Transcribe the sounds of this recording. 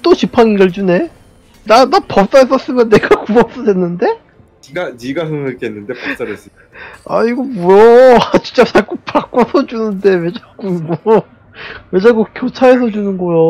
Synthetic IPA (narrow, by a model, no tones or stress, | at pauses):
t͈ot͡ɕʰipʰanɯɡʌɭt͡ɕune̞ | nanapʌp̚s͈aes̬͈ʌs͈ɯmjʌnːeɡakubʌp̚s͈ʌdenːɯnde̞ | iɡaniɡasɯɯɭkʰenːɯnde̞pʌps͈aes͈ɯ | a̰iɡobujʌat͡ɕi̥t͡ɕ͈at͡ɕak͈upak͈osʰʌd͡ʑunɯnde̞wed͡ʑaɡuiɡo | wed͡ʑaɡukjot͡ɕʰaes̬ʰʌd͡ʑunɯnɡʌjo